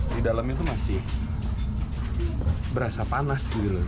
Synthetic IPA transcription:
didalamɲat̪umasɪh | bəɾasapanasɡit̪ula

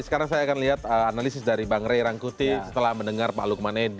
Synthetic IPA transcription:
sə̥kaɾaŋsajaːkanliɦat̪̚əanalisɪsdaɾibaŋɾejɾaŋkut̪isət̪əlahməndəŋarpa̰lukəmaned

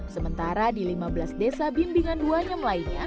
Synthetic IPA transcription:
səmənt̪aɾadilimabəlasdesabimbiŋanduaɲamlainɲa

